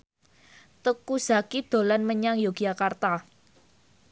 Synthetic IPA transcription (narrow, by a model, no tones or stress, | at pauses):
t̪əkuz̥a̤kid̪̥o̤lanməɲaŋjoɡ̥iakart̪a